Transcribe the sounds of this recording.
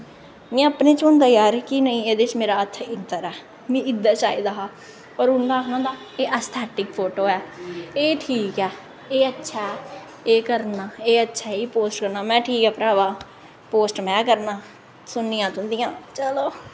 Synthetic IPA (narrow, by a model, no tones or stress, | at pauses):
mɛ̃ːəpnẽːt͡ʃʊ̃nd̪aːjaːɾkinəĩːeːd̪et͡ʃmeːɾaːət̪ʰːɪnt̪əɾɛː | mĩːɪd̪ːaːt͡ʃaːid̪aɦaː | ɔːɾʊnd̪aːɦnãːd̪aː | eːʔaːst̪ʰɛːʈɪkpʰoːʈoːɛːeːʈʰiːkɛː | eːətːʃʰa | eːkəɾnaːeːətːʃʰaːiːpoːsʈkəɾnaːmɛ̃ːʈʰiːkɛːpɾaːʋaː | poːsʈmɛ̃ːkəɾnaː | sʊnːijãːt̪ʊ̃nd̪ijãːt͡ʃəloː